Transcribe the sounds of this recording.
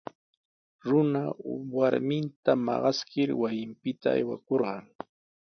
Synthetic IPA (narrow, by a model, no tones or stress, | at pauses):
ɾʊnawaɾmɪnt̪amɑ̰ɢɑskɪɾwajɪmpɪt̪a̰ːjwa̰koɾɢɑŋ